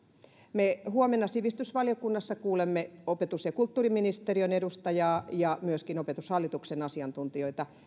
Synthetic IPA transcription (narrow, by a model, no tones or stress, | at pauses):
mehuomenːɑsiʋist̪ysʋɑljokunːɑsːɑkuːlemːeopet̪usjɑkult̪ːuːriminist̪erionedust̪ɑjɑːjɑmyøskinopet̪ushɑlːit̪uksenɑsiɑnt̪unt̪ioit̪ɑ